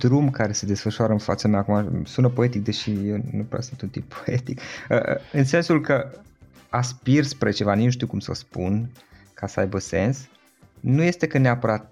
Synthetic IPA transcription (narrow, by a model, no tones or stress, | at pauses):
d̪ɾumkaɾe̞se̞d̪e̞sfəʃuaɾəɨnfat̪səameakumasunəpo̞e̞t̪ik̚d̪e̞ʃijewnupɾɛ̰wsɨnt̪unt̪impʰːoe̞t̪ikə̰ɨnse̞nsulkə | aspirspɾe̞t͡ʃe̞vaninuʃ̬t̪iukumsə̰spun | kʰasəajbəse̞ns | nuje̞st̪e̞kəneapəɾat̪̚